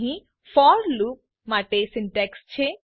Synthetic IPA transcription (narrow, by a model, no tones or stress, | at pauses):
ɦĩ | fɔːɾluːp̚ | maʈeːsɪɳʈɛkst͡ʃʰe